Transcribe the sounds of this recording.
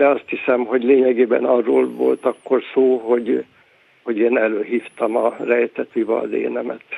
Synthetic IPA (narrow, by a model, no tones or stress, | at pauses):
d̪ɛɒst̪hisɛmɦo̞ɟleːɲɛɡeːbɛ̰nɒrːo̰ːlvo̞̰lt̪ɒkːo̞rsoːɦo̞ɟ | ho̞ɟeːnɛløːɦiːft̪ɒmɒrɛjt̪ɛt̪yvɒ̰d̪ḛːnɛmɛt̪